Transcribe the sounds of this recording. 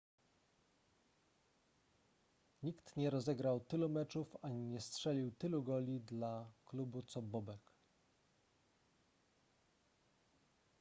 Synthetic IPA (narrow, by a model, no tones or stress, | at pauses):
ɲikt̪ɲɛɾɔzɛɡɾawt̪ɘlumɛt͡ʂufaɲiɲɛstʂɛlʲiwt̪ɘluɡɔlʲid̪laklubut̪sɔbɔbɛk